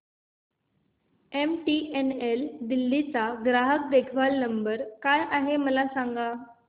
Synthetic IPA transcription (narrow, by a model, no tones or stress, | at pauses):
emʈieneld̪ilːit͡saɡɾaɦək̚d̪ekʰʋalnəmbəɾkajʔaɦeməlasaŋɡa